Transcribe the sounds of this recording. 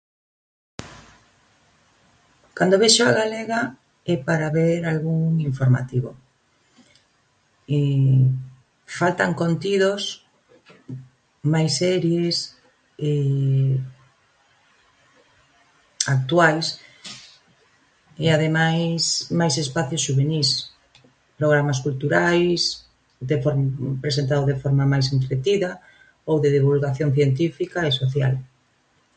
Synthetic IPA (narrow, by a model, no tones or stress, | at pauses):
kand̪oβeʃoaɣaleɣa | ɛpaɾaβeɾalɣuŋiɱfoɾma̰t̪iβo | e | falt̪aŋkont̪iðos | majsɛɾjes | e | ak̚t̪wajs | eaðemajsmajsespaθjosʃuβenis | pɾoɣɾamaskult̪uɾajs | d̪efoɾpɾesent̪aðoðefoɾmɐmajs̬ent̪ɾet̪iðɐ | owðeðiβulɣaθjoŋθjent̪ifikaesoθja̰l